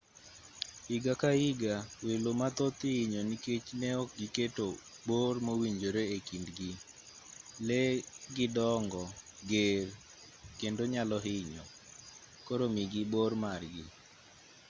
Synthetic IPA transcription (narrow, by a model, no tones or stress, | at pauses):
ɪɡakaɪɡawelomat̪ɔt̪ɪɲɔniket͡ʃnɛɔk̚ɡiketo | bormowiɲd͡ʒoɾeekindɡɪ | lɛɡɪdɔŋɡɔɡer | kendoɲalɔɦɪɲɔ̰ | koɾomiɡɪbormarɡɪ